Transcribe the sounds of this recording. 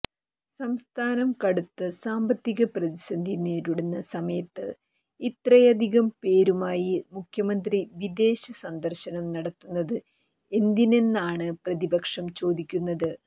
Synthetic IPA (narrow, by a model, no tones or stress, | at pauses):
sɐmst̪ʰaːnɐmkɐɽut̪ːɨsaːmbɐt̪ːiɣɐprɐðisɐnd̪ʱineːɾuɽenːɐsɐmɐjɐt̪ːɨ | it̪rɐjɐd̪ʱiɣɐmpe̞ːɾumaːjimukʰjɐmɐnd̪riʋid̪e̞ːɕɐsɐnd̪ɐrɕɐnɐmnɐɽɐt̪ːunːɐðɨ | e̞nd̪ine̞nːaːɳɨprɐðibɐkʂɐmt͡ɕo̞ːd̪ikʲːunːɐðɨ